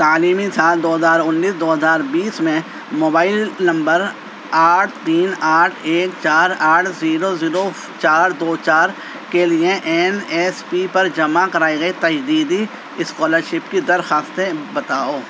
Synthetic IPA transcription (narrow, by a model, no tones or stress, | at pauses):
t̪aːliːmisaːld̪oːɦɐzaːɾʊnːiːsd̪oːɦɐzaːɾbiːsmẽ | moːbaːɪlnɐ̃mbəɾ | aːʈʰt̪iːnaːʈʰeːkt͡ʃaːɾaːʈʰziːɾoziːɾo | t͡ʃaːɾd̪oːt͡ʃaːɾ | kelieʔɛnɛːspipɐɾd͡ʒɐmakɐɾaːiɡɐit̪ɐd͡ʒd̪iːd̪i | ɪskɔːləɾʃɪpkid̪ɐɾxaːst̪ebɐt̪aːoː